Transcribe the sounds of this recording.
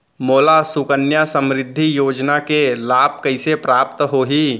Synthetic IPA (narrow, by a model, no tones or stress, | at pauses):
moːlasʊkənjasə̃mɾɪd̪ʱːijoːd͡ʒnakelaːp̚kɐɪsepɾaːp̚t̪ɦoːɦiː